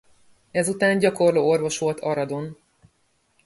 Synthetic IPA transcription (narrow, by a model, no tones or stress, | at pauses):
ɛzut̪aːnɟɒko̞rloːorvo̞ʃʋo̞lt̪ʰɒɾɒd̪o̞n